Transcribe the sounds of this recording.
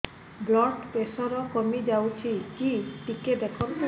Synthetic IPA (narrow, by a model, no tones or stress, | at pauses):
blɔʈpesɔɾɔkɔmid͡ʒawt͡ʃʰikiʈiked̪ekʰɔn